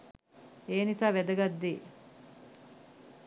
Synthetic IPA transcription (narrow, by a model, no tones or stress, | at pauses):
eːnisaːʋed̪əɡad̪ːiː